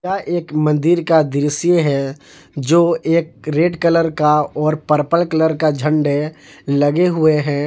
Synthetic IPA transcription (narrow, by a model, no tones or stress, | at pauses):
aʔeːkmə̃nd̪iɾkad̪ɪɾəsijeɦɛ | d͡ʒoːeːk̚ɾeːɖkələɾkaɔːɾpəɾpəlkələɾkad͡ʒʱə̃ɳɖe | lɐɡeɦʊeɦɛ̃ː